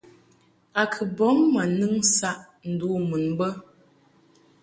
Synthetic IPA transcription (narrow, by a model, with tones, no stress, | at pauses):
a˨kʰə˨bɔ˨˦mːə˨nɨ˦ŋsa˦ʔ | n̩˨du˨˦mɨ˨nbə˦